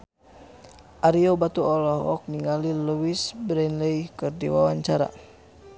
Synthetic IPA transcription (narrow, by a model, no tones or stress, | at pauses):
ʔaɾiɔbat̪uɔlɔɦɔk̚niŋaliluwisbɾɛnlɛjkɨrdiwawaɲt͡ʃaɾa̰